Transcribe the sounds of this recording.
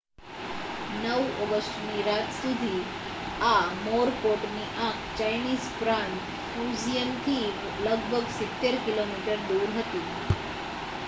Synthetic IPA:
nəwɔɡəsʈniɾat̪sud̪ʱiː | amoɾpoʈniʔãkt͡ɕajniːzpɾãɳʈ | fud͡ʑijəmt̪ʰiːk | ləɡbʱəɡsit̪ːeɾkilomiʈəɾd̪uːɾɦət̪iː

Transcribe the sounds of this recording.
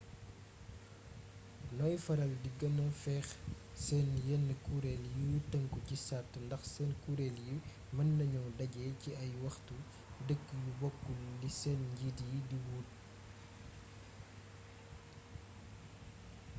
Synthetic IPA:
nɔjfɐɾɐldiɡɐnɐfɛːx | sɛːnjɛnːəkuɾɛljutəŋkucisatːndɐxsɛnkuːɾɛlju | mɐnːɐɲɔwdɐɡɛciʔɐjwɐxtu | dəkːjubɔkːulːisɛːnɟididiwuːt̚

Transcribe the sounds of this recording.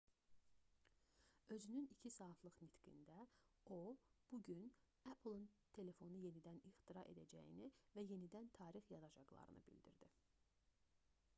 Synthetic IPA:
ø̞zynynicʰisɑːflˠɯχnit̪ɡḭnd̪æob̥uɟyn | æpʰl̩ˠɯnt̪ʰe̞le̞fo̞nuje̞nid̪æniχt̪iɾɑʔe̞̰d̪æd͡ʒæ̰jḭnivæje̞nid̪ænt̪ʰɑːɾixjɑd̪ɑd͡ʒɑ̰ɡlˠɑ̰ɾɯ̰nɯ̰bḭld̪ḭɾd̪ḭ

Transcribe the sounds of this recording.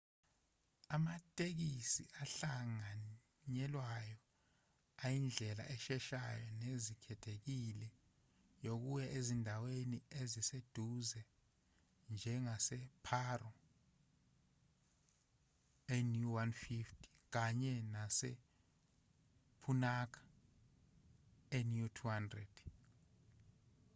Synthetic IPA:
amatʼek̬isḭʔaɬaŋa | ɲɛlwajɔ | ajind͡ɮʱɛla̰ʔɛʃɛʃajɔnezikʰɛtʰek̬ilɛ | jok̬ujɛʔezindʱaweniezised̥ʱuzɛ | nd͡ʒʱɛŋasɛpʰarɔ | enjuwanfiftʰʼi̥ | k̬aɲɛnasḛ | pʰunak̬ḁ | enjutʰuhandrɛd̥

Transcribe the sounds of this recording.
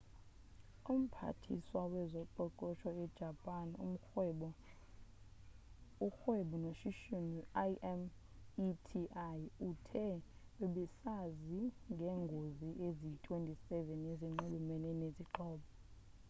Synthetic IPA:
um̩pʰa̰tʰḭswawɛzɔǃɔǃɔʃʰɔɛd̥ʒ̥ʱapʼan | uxweɓunoʃiʃuniaʔɛm | itʰiʔajutʰɛweɓɛsaziŋɡʱɛŋɡʱoziʔezitʼwentʼisɛvɛneziŋ͡ǃulumɛnɛneziǃɔːɓɔ

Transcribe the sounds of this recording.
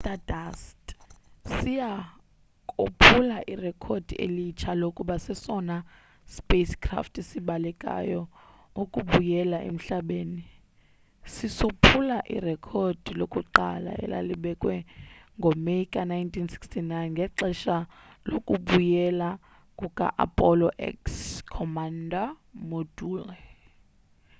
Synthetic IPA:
tadastsija | kʼopʰulaʔirɛkʰod̥ʱiḛlit͡ʃʰalokʼuɓasɛsɔna | speskʰʼra̰ftʰʼesiɓalɛkʼa̰jɔ | ukʼuɓujɛlaʔḛm̩ɬaɓeːni | sisopʰulaʔḭrɛkʰɔd̥ʱilokʼuǃala̰ʔɛ̰lʔa̰liɓɛkʼwɛŋɡʱɔmeikʼanajntʰinsi̥kstʰinajnŋɡʱɛǁɛʃalokʼuɓujɛla | kʼukʼa̰ʔa̰pʼɔlɔʔɛ̰kskʰɔmanda | moduːlɛ

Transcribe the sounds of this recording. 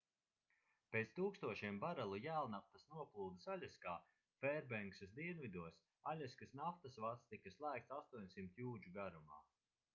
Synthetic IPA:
peːt̪st̪uːkst̪uɔʃiɛmbaɾalˠujæːlˠnaft̪ɐsnuɔplˠuːlˠd̪isalʲaskaː | fɛɾbɛŋksɐs̬d̪iɛnvid̪uɔs | alʲaskasnaft̪asvat̪st̪ikɐslˠæːkt̪sast̪uɔɲʲsimt̪juːd͡ʒuɡaɾuma̰ː

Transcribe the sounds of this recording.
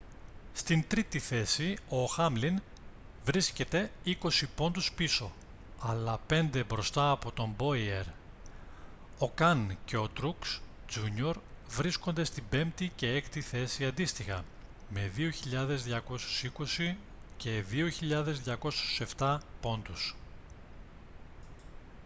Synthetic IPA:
st̪int̪ɾit̪iθe̞sio̞xɐmlin | vɾisce̞t̪e̞iko̞sipo̞nd̪uspiso̞ | ɐlɐpe̞nd̪e̞bɾo̞st̪ɐːpo̞t̪o̞mbo̞ieɾ | o̞kɐnce̞o̞t̪ɾuks | d͡zuɲio̞ɾvɾisko̞nd̪e̞st̪ibe̞mt̪ice̞ekt̪iθe̞siɐnd̪ist̪ixɐ̰ | me̞ðioçiʎɐðe̞zðʝɐko̞su̥siko̞si | ce̞ðio̞çiʎɐðe̞zðʝɐko̞su̥se̞ft̪ɐpo̞nd̪us

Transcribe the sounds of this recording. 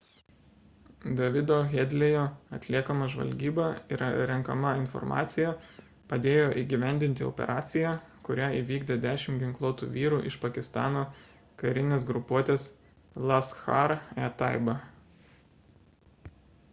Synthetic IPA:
d̪ɐʋʲɪd̪oːɣʲed̪ʲlʲejoːɐt̪ʲlʲiɛkɐmɐʒʋɐ̰lʲɡʲiːbɐɪ̰ɾɐɾʲɛŋˑkɐmɐɪnfɔ̰ɾmʔɑ̰ːt̪sʲɪjæ | pɐd̪ʲeːjoːʔiːɡʲiʋʲæˑnʲd̪ʲɪnʲt̪ʲɪɔ̰pʲɛ̰ɾʔɑːt̪sʲɪjæ | kʊɾʲæiʋʲiːɡd̪ʲed̪ʲæːʃʲɪmɡʲɪŋklˠoːt̪ṵːʋʲiːɾuːʔɪʃpɐkʲɪst̪ɑːnoː | kɐɾʲɪnʲeːsɡɾʊpuɔt̪ʲeːs | lˠɐsxɐɾɛt̪ɑˑɪbɐ

